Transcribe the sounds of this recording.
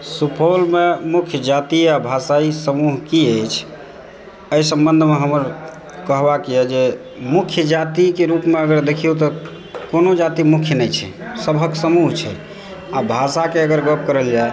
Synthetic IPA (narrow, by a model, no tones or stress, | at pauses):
supʰolmemukʰjəd͡ʒat̪iabʱasaisəmuɦkiəjt͡ʃʰ | əjsə̃mbənd̪ʱmeɦəməɾ | kəɦbakiɛd͡ʒe | mukʰjəd͡ʒat̪ikeɾupmeəɡəɾd̪ekʰijut̪ɔ | konod͡ʒat̪imukʰjənɛjt͡ʃʰɛ̰səbʱəksəmuɦt͡ʃʰɛ̰ | abʱasakeəɡəɾɡəpkəɾəld͡ʒae